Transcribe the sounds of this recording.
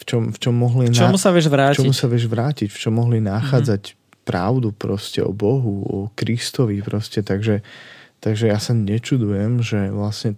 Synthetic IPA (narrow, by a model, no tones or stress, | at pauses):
ft͡ʃɔmft͡ʃɔmːɔɦlint͡ʃ̪ɔmusaʋɪɛʒʋɾaːt͡ʃɔmusaʋɪɛʒʋɾaːcicft͡ʃɔmːɔɦlinaxaːd͡zac | pɾa̰ʊd̪upɾɔscɛ̰ɔ̰bɔɦuɔkɾist̪ɔʋipɾɔscɛt̪aɡʒɛt̪aɡʒɛjasaɲɛt͡ʃud̪ujɛmʒɛʋlasɲɛ